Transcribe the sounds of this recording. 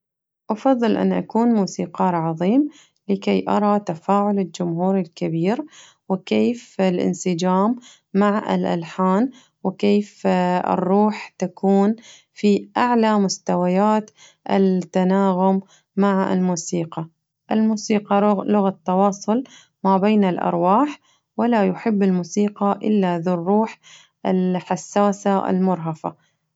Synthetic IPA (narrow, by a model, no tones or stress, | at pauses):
ʔɑfɑðˤːɨlʔa̰nːʔa̰kuːnmuːsiːqɑːɾˤʕɑðˤiːm | lɪkejʔɑɾˤɑt̪afaːʕʊlɪld͡ʒʊmɦuːɾɪlkabiːɾ | wɪkeːfɪlʔɪ̰nsɪd͡ʒaːmː | aʕɪ̰lʔa̰lħaːn | wɪkeːfɪ̰rˤːuːħt̪akʰuːn | fiʔaʕlamʊst̪awajaːt̪ | ʔɪ̰t̪ːanaːɣʊmː | aʕɪ̰lmuːsiːqɑ | ʔɪlmuːsiːqɑlʊɣat̪ːɑwɑːsˤʊl | mabeːnɪlʔɑ̰ɾˤwaːħ | wɪlajʊħɪbːɪlmuːsiːqɑʔɪlːaðɪrːuːħ | ʔɪlħasːaːsaʔɪ̰lmʊɾˤɦafa̰